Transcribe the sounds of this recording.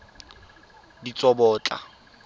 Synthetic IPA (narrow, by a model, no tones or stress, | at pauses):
dit͡sʼɔbɔːt͡ɬʼa̰